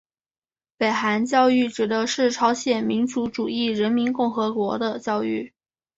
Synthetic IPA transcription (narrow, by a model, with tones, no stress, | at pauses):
pe˨˩ɪxa˧˥nt͡ɕjɑ˥˧ʊy˥˩ʈ͡ʂɻ̩˨˩d̪ə˦ʂɻ̩˥˩ʈ͡ʂʰɑ˧˥ʊɕjɛ˨˩nmi˧˥nʈ͡ʂu˧˥ʈ͡ʂu˨˩i˥˩ɻə˧˥nmi˧˥nkʊ˥˩ŋxɤ˧˥kwɔ˧˥d̪ə˧t͡ɕjɑ˥˧ʊy˥˩